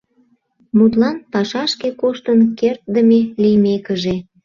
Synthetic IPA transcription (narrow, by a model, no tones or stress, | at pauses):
mut̪lɑnpɑʃɑʃkekoʃt̪ənkert̪̚d̪əmelijmekəʒe